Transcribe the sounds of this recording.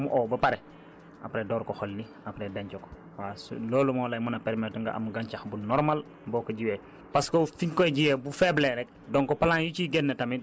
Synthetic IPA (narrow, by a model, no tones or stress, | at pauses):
muʔoːbɐpaɾɛ | apɾedɔːɾkoxolːi | apɾɛdaɲt͡ʃoko̥ | wasloːlumɔlɐjmunɐpɛɾmɛtuŋɡa̰ʔa̰mɡaɲt͡ʃaxbunɔɾmal | boːkoɟiweː | paskofiɲkoɟiwɛbufɛbleɾɛk̚ | dɔŋkɔpalãŋjut͡ʃiɡenːɐtami